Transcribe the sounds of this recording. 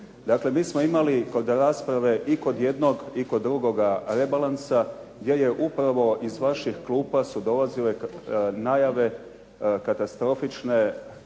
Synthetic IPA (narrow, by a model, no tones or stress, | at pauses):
d̪akle̞miːsmoimaliko̞d̪ɾaːspɾaʋe̞ʔiko̞d̪je̞d̪no̞ɡiko̞d̪ːɾuɡo̞ɡaɾe̞balansaɡd̪je̞je̞ʔupɾaʋo̞ʔizʋaʃixklˠuːpasud̪o̞lazile̞najaʋe̞ | kat̪ast̪ɾo̞fit͡ʃne̞